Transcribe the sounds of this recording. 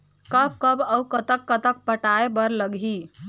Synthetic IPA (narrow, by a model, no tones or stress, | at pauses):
kəb̚kəbəwkət̪əkːət̪ək̚pəʈaebəɾləɡʱi